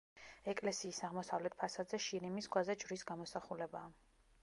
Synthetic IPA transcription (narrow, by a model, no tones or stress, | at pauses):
ɛkʼlɛsiːsaʁmɔsavlɛt̪̚pʰasad̪zɛʃiɾimisɡwazɛd͡ʒvɾisɡamɔsaχulɛbaː